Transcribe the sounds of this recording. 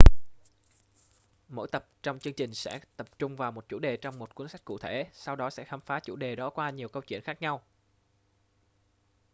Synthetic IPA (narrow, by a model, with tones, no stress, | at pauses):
mo̰˧˥jt̪ə˨˩p̚t͡ɕɔ˧wŋ͡mt͡ɕɨ˧əŋt͡ɕï˨˩ŋ̟sɛ̰˧˥t̪ə˨˩p̚t͡ɕʊ˧ŋ͡mvaː˨˩wmo˨˩t̚t͡ɕṵ˧˩ɗe˨˩t͡ɕɔ˧wŋ͡mmo˨˩t̚kwənsa˦˥k̟̚kṵ˧˨˩t̪ʰe˧˩sa˧wɗɔ˨˦sɛ̰˧˥xaː˧mfaː˨˦t͡ɕṵ˧˩ɗe˨˩ɗɔ˨˦kwaː˧ɲi˨˩əwkə˧wt͡ɕwḭ˧˨ənxaː˦˥k̚ɲa˧w